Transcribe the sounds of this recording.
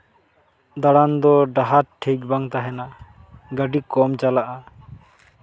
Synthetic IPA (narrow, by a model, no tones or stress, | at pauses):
d̪aɽand̪ɔɖaɦat̪̚ʈʰek̚baŋt̪aɦɛna | ɡəɖikɔmt͡ʃalaʔa